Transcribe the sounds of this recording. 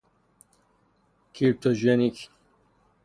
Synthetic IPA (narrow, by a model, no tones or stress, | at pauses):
kʰip̚t̪ʰoʒenik